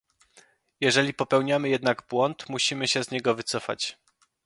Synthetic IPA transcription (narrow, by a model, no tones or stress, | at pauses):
jɛʐɛlʲipɔpɛwɲamɘjɛd̪naɡbwɔnt̪muɕimɘɕɛzɲɛɡɔvɘt̪sɔfa̰t͡ɕ